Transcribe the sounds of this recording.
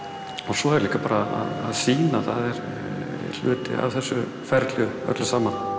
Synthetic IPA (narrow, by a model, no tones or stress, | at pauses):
ɔsɔɛɾliːkapaːɾaa̰ðaðsiːnaθaðɛɾ | lʏ̰ːt̪ɪ̰a̰vθɛsːʏ | fɛɾt̪ljʏ | œ̰t̪lʏsaːma